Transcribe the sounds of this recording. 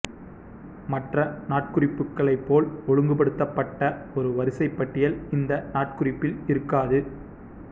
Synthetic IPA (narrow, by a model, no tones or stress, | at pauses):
mɐʈrɐnaːʈ̚kɯrɪpːɯkːɐɭɐɪpːoːlɔɻɯŋɡɯpɐɽɯt̪ːɐpːɐʈːɐɔɾɯʋɐɾɯsɐɪpːɐʈːɪjɐlɪnd̪ɐnaːʈ̚kɯrɪpːɪlɪɾɯkːaːðɯ